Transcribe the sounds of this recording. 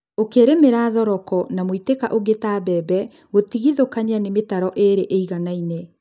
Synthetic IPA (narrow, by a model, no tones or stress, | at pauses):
okeɾemeɾaːðɔɾɔkɔnamoitekaʔoɣetabɛːbɛ | ɣotiɣiðokaɲeanemetaɾɔʔeɾeʔeiɣanaine